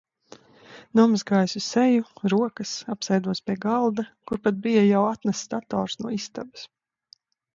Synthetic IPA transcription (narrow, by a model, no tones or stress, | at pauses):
nɔmsɡajsʲusɛjuɾuɔkɐsapsɛjd̪uɔspʲiɛɡalˠd̪akuɾpat̪̚bijajawat̪nast̪at̪ɔ̰ːɾsnuɔist̪a̰bɐ̥s